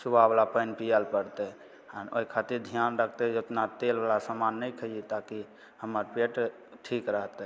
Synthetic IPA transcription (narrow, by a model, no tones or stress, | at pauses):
subablapəɪnpijəlpəɾt̪ɛ | əno̰ikʰat̪iɾd̪ʱijanɾəkʰt̪ɛd͡ʒot̪nat̪elbalasamanːəjkʰəit̪aki | həməɾpeʈ | ʈʰikɾəɦt̪ɛ